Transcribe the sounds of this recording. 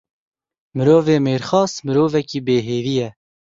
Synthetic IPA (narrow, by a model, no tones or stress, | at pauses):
mɨɾoːveːmeːɾxɑːsmɨɾoːvɛkiːbeːɦeːɾijɛ